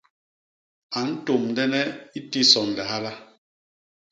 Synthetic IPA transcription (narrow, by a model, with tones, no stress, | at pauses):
a˨n̩˦to˨mndɛ˦nɛ˦i˦ti˦sɔ˨n˨lɛ˨ɦa˦la˦